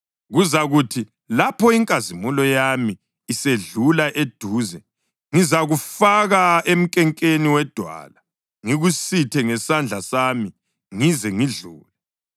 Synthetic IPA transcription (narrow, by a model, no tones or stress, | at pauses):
ɣuzaɣutʰi | lapʰɔiŋkʼazimulɔjamiː | seɮulaʔed̥ʱuːzɛ | ŋizaɣufaɣaem̩kʼɛŋkʼeniwɛd̥ʱwa̰ːla | ŋiɣusitʰɛŋɛsand͡ɮʱasami | ŋizɛŋiɮṵːlɛ